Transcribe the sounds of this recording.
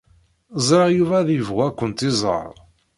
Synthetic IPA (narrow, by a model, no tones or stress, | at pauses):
zˤɾˤɑjuvæðjəvʁækʷːənt̪izˤɑ̰ɾˤ